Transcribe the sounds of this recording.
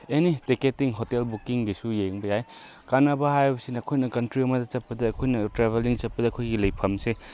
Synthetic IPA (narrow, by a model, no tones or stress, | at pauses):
eniteketːiŋɦotelbukiŋbisujeŋbɐjaj | kanɐbaɦajbɐsinɐːkʰojnɐkɐntɾiɐmɐdɐt͡ʃɐppːɐdɐːkʰojnɐtɾeβeliŋt͡ʃɐp̚pːɐdɐkʰojɡilɐjpʰɐmse